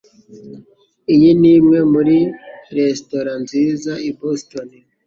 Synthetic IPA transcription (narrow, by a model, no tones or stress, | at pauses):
ijiniːmŋe̞muɾiɾe̞sto̞ɾanziːzaibostoni